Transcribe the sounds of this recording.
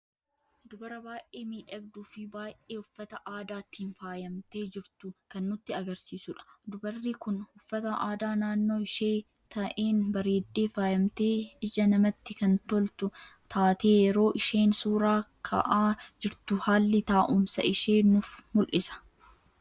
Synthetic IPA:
d̪ʊbɐɾɐbaːʔʔeːmiːᶑɐɡ̚d̪uːfɪbaːjʔeːʊfːɐt̪ɐʔaːd̪aːt̪ːɪnfaːjɐmt̪e̞ːd͡ʒɪɾt̪ʊkɐnːʊt̪ːɪɐɡɐɾsiːsʊᶑɐ̥d̪ʊbɐrːikʊnhʊfːɐt̪ɐʔaːd̪aːnaːnːo̞ːɪʃeː | t̪ʰɐʔeːnbɐɾeːd̪ːe̞ːfaːjɐmt̪e̞ːɪd͡ʒɐnɐmɐt̪ːɪkɐnt̪ɔlt̪ʊt̪ʰaːt̪eːjɛɾo̞ːʔɪʃe̞ːnsuːɾaːkʰɐ̰ʔaːd͡ʒɪɾt̪ʊhaːlːɪt̪aːʔʊmsɐ̰ʔɪʃe̞ːnʊfmʊlʔɪsɐ̥

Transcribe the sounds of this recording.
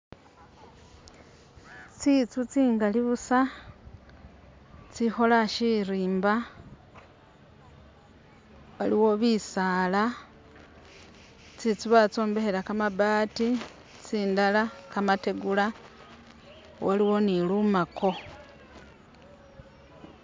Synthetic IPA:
t͡sit͡sut͡siːŋɡaliβusa | t͡sixo̞laʃiɾiːmba | waliwo̞βisaːla | t͡sit͡suβat͡so̞ːmbe̞helakamabaːti | t͡siːndalakamate̞ɡula | waliwo̞nilumakʰo̞

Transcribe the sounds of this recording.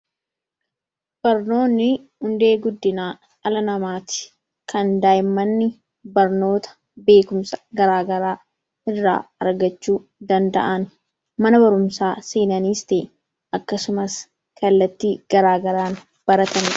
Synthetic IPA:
b̥ɐɾno̞ːnːɪ | hʊnd̪e̞ːɡʊd̪ːɪnaː | ɐlɐnɐmaːt̪ɪ̥ | kɐnd̪aːjɪmːɐnːɪ | bɐɾno̞ːt̪ɐ̥ | be̞ːkʊmsɐ̥ɡɐɾaːɡɐɾaː | ʔɪrːa̰ːɐɾɡɐt͡ʃːuː | d̪ɐnd̪ɐ̰ʔɐn | mɐnɐbɐɾʊmsaːseːnɐniːst̪eː | ɐkːɐsʊmɐs | kɐlːɐt̪ːiːɡ̥ɐɾaːɡɐɾaːn | b̥ɐɾɐt̪ɐn

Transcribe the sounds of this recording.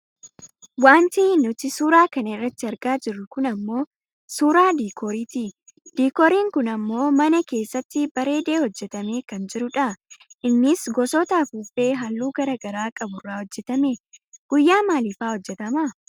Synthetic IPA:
waːnt̪iːnʊt̪ɪsuːɾaːkɐnɐɪrːɐt̪ːɪɐɾɡaːd͡ʒɪrːʊkʊnɐmːo̞ː | suːɾaːd̪iːkʰoːɾiːt̪iːd̪̥iːkɔːɾiːŋkʊnɐmːo̞ːmɐnɐke̞ːsːɐt̪ːɪbɐɾe̞ːd̪e̞ːhɔd͡ʒːɛt̪ɐme̞ːkɐnd͡ʒɪɾʊᶑɐʔɪnːɪsɡɔsɔːt̪ɐfuːfe̞ːɦɐlːuːɡɐɾɐɡɐɾaːkʼɐbʊrːaːhɔd͡ʒːɛt̪ɐmeɡ̥ʊjːaːmaːlifaːhɔd͡ʒːɛt̪ɐmɐ

